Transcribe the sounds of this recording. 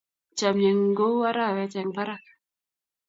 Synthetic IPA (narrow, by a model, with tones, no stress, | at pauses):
t͡ʃa˨mɲe˨ŋ˦ɡo˦wa˦ɾa˦˨wɛ˨t͡ʃɛ˨ŋba˦ɾa˨k